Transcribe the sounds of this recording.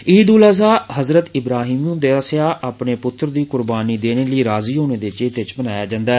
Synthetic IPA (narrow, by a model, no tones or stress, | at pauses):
iːd̪uːləzaːɦəzɾət̪ɪbɾaːɦiːmʊnd̪eːəsaːʔaːpneːpʊt̪ːɾd̪iːkʊɾbaːniːd̪eːneːləiːɾaːziːɦoːneːd̪eːt͡ʃeːt̪ɪt͡ʃbənaːjaːd͡ʒãːnd̪aɛ